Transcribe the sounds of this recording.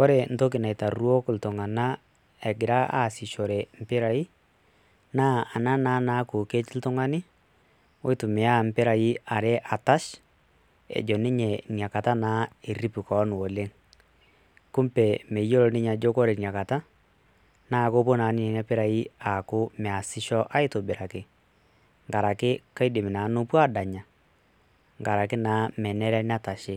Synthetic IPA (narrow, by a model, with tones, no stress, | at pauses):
kɔ˦ɾɛ˨n̩˦to˦k̬ɪ˨na˨ɪ˨ta˨rwɔ˦kltʊ˨ŋa˨na˦ | ɛ˨ɡɪ˨ɾa˦ʔa̰˨sɪ˨ʃɔ˨ɾɛ˨m̩˨pɪ˦ɾa˨i˦ | naː˦a˨na˦naː˦naː˦ko˨ke˦t͡ʃɪ˦ltʊ˦ŋa˦nɪ˦ | wo˦ɪ˦tʊ˨mɛ˨a˦m̩˦pɪ˦ɾa˨i˦a˨ɾɛ˦ʔa˨ta˦ʃ | ɛ̰˨d͡ʒɔ˨nɪ˦ɲɛ˨nja˨ka˨ta˦naː˦e˨ri˦pu˨kɔ˨˦n˨wo˨le˦ŋ | kʊ˦mpɛ˨mɛ˨˦jo˦ɾɔ˨nɪ˦ɲa˨d͡ʒo˦ko˦ɾe˨nja˨ka˨ta˦ | na˦˨ko˦po˦na˨˦nɪ˦ɛ˨na˦pɪ˦ɾa˨i˦a˨kʊ˦mɛ˨a˨sɪ˦ʃɔ˦ʔa˦ɪ˦tʊ˨bɪ˨ɾa˨kɪ˨ | ŋka˨ɾa˨kɪ˦ka˦ɪ˦dɪ˨mɪ˨na˨˦nʊ˦pwa˦da˨ɲa˨ | ŋɡa˨ɾa˨kɪ˦naː˦mɛ˨nɛ˦ɾɛ˦n˦a˦ta˨ʃɪ˦